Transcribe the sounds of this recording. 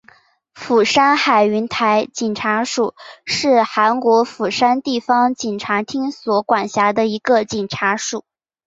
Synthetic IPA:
fu˨˩ʂa˥nxa˨˩ɪy˧˥nt̪ʰa˧˥ɪt͡ɕi˨˩nʈ͡ʂʰa˧˥ʂu˨˩˦ʂɻ̩˥˩xa˧˥nkwɔ˧˥fu˨˩ʂa˥nt̪i˥˩fɑ˥ŋt͡ɕi˨˩nʈ͡ʂʰa˧˥t̪ʰi˥ŋswɔ˧˥kwa˨˩nɕja˧˥d̪ə˧i˧˥ɡə˧t͡ɕi˨˩nʈ͡ʂʰa˧˥ʂu˨˩˦

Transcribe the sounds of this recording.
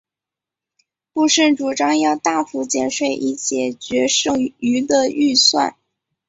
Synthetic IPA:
pu˥˧ʂə˥˩nʈ͡ʂu˨˩ʈ͡ʂɑ˥ŋjɑ˥˧ʊt̪a˥˩fu˧˥t͡ɕjɛ˥˧nʂwe˥˩ɪʔi˥˩ɕjɛ˨˩t͡ɕɥɛ˧˥ʂɤ˥˩ŋy˧˥d̪ə˧y˥˧swa̰˥˩n

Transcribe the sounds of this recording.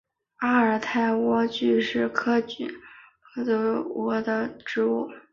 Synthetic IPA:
a˥ə˞˨˩t̪ʰa˥˩ɪwɔ˥t͡ɕy˥˧ʂɻ̩˥˩kʰɤ˥t͡ɕy˥˩˦kʰɤ˥t͡su˧˥wɔ˥d̪ə˧ʈ͡ʂɻ̩˧˥u˥˩

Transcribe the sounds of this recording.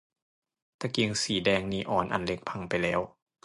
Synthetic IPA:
t̪a˧ki˧ŋsiː˨˩˦dɛː˧ŋniː˧˦˥ʔɔː˨˩˦nʔa̰˨˩nle˦˥k̚pʰa˧ŋpa˨jlɛː˦˥w

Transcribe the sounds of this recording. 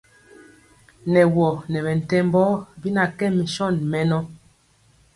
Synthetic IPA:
nɛ˨wɔ˨nɛ˨bɛ˨n̩˨tɛ˦mbɔ˦bi˦na˨kɛ˦mi˨ʃɔ˦˨nmɛ˨˦nɔ˦

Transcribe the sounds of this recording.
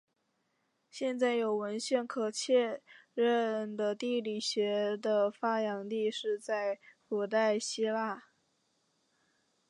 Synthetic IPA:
ɕjɛ˥˧nt͡sa˥˩ɪjo˨˩ʊwə˧˥nɕɛ˥˩nkʰɤ˨˩t͡ɕʰjɛ˥˧ɻə˥˧nd̪ə˩t̪i˥˩li˨˩ɕɥɛ˧˥d̪ə˧fa˥jɑ˧˥ŋt̪i˥˧ʂɻ̩˥˧t͡sa˥˩ɪfu˨˩t̪̬a˥˩ɪɕi˥la˥˩

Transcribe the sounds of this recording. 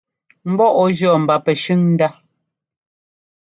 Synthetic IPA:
m̩˦bɔ˦ʔɔ˦ʒɔ˨m̩˨ba˨pɛ˨ʃʉ˦ŋn̩˦da˦

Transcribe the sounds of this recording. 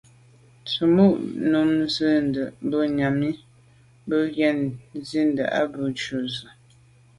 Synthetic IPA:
t͡sə˨mu˦ʔnu˨mzə˦˨n˨də˨ʔbə˦ɲa˨mi˦ | bə˦ɣjɛ˦˨nzi˦n̩də̰˨ʔa̰˦bə˦˨t͡ʃu˦˨zə˨

